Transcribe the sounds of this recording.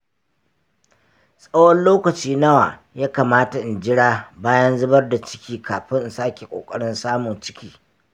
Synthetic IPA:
sʼɐ˦wɔ˦nloː˦kɐ˨t͡ʃiː˦nɐ˦wa˨ | jaː˦kaː˨maː˦ta˨ʔɪ˨nd͡ʒɪ˦ɽaː˦baː˦jɐ˦nzʊ˦bɐ˦rda˨t͡ʃɪ̥˦kʲiː˦kaː˨ɸɪ˦nʔ̩˨saː˦kʲe˨kʷʼo̰ː˨kʼɐ˦ɽɪ˦nsaː˦mʊ˨nt͡ʃɪ̥˦kʲiː˦

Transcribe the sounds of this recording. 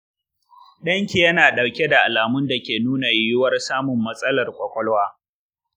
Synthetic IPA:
ɗɐ˦ŋkʲi˨jɐ˦naː˨ɗa˨wkʲe˦da˨ʔa˨laː˨mʊ˦nda˨kʲeː˨nuː˦na˨jʊ˦wɐ˦rsaː˦mʊ˨mːɐ˦sʼɐ˦lɐ˨rkʷʼɔ˦kʷʼɔ˦lwaː˦

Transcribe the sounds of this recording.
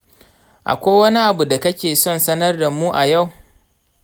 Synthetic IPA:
ʔa̰˨kʷoː˦wɐ˦ni˦ʔa˨bu˨da˨kɐ˦kʲeː˨sɔ˦˨nsɐ˦nɐ˦rda˨mːuː˦ʔa˨ja˦˨w

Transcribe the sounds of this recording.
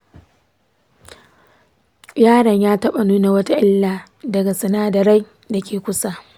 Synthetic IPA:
jaː˦ɽɐ˨ɲjaː˦tɐ˦ɓa˨nuː˦na˨wɐ˦ta˦ʔɪ˦lːaː˨ | dɐ˨ɡa˨sɐ˨naː˦dɐ˨ɾa˦j | da˨kʲʰeː˨kʷʊ˦sa˦

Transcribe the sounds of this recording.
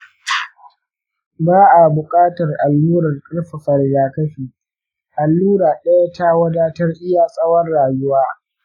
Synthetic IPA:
baː˦ʔa˨bʊ˨kʼaː˦tɐ˨rʔa˨lːuː˦ɾɐ˨rkʼɐ˦ɽɸa˨ɸɐ˨rɡaː˨kɐ˦ɸiː˨ | ʔa˨lːuː˦ɽaː˨ɗɐ˦ja˦ta˦wɐ˦daː˦tɐ˦rʔɪ˦jaː˨sʼɐ˦wɐ˦rːaː˨jʊ˦waː˦

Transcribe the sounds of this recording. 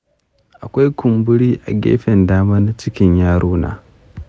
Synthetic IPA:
ʔa˨kʷa˦jkʷʊ˨mbʊ˦ɽiː˦ʔa̰˨ɡʲḛː˦ɸɛ˨ndaː˦maː˦na˦t͡ʃɪ˦kʲɪ˦ɲjaː˦ɽoː˦na̰ː˨

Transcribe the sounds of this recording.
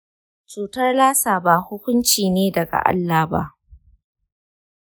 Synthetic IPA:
t͡ʃuː˨tɐ˦rlaː˦saː˨ba˦˨hʊ˦kʷʊ˦nt͡ʃiː˨neː˦dɐ˨ɡa̰˨ʔa̰˦lːaː˨ba̰˦ʔ

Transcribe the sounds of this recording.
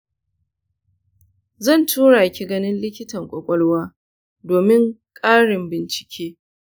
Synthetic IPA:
zɐ˦˨ntʰuː˦ɽaː˨kʲi˨ɡɐ˦nɪ˦nlɪ˦kʲɪ˦tɐ˨ŋkʷʼɔ˨kʷʼɔ˦lwaː˦ | doː˨mɪ˦ŋkʼaː˦ɽɪ˨mbɪ˨nt͡ʃɪ̥˨kʲʰeː˦

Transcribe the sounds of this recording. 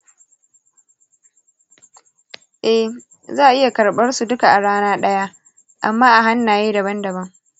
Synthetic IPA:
ʔɛ˦h | zaː˦˨ʔɪ˦ja˨kɐ˨ɽɓɐ˦rsu˨dʊ˦ka˨ʔa˨ɽaː˦naː˦ɗɐ˦ja˦ʔ | ʔa˨mːaː˦ʔa˨ɦa˦nːaː˨jeː˦dɐ˨bɐ˦ndɐ˨bɐ˦ŋ

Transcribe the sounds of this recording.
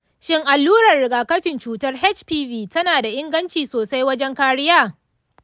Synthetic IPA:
ʃɪ˦ŋʔa˨lːuː˦ɾɐ˨rɽɪ˨ɡaː˨kɐ˦ɸɪ˨nt͡ʃuː˨tɐ˦rɦɛ˦t͡ʃpiː˦ɸiː˦tɐ˦naː˨da˨ʔɪ˦ŋɡɐ˦nt͡ʃiː˨soː˨sa˦jwɐ˦d͡ʒɛ˦ŋkaː˦ɽɪ˦jaː˦˨

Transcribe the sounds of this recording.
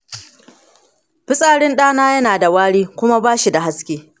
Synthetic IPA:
ɸɪ˦sʼaː˨ɽɪ˦nɗaː˦naː˦jɐ˦naː˨da˨waː˦ɽiː˦kʷʊ˦ma˦baː˦ʃi˨da˨ɦa˦skʲeː˦

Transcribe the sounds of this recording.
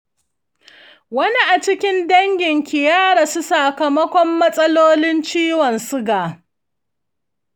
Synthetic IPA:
wɐ˦ni˦ʔa˨t͡ʃɪ˦kʲɪ˦ndɐ˦ŋɡʲɪ˨ŋkʲɪ˨jaː˦ɽa˨su˦sa˨kɐ˨mɐ˦kʷɔ˦mːɐ˦sʼɐ˦loː˦lɪ˦nt͡ʃiː˦wɔ˨nsʊ˦ɡaː˨

